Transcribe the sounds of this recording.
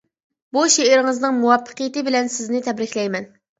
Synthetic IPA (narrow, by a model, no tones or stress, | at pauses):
buʃeɪɾɪŋɨznɨŋmuwɑpʰːə̥qijɪt̪ɨbɪlɛnsɪznɪt̪ʰɛbɾɪkʲlɛjmɛn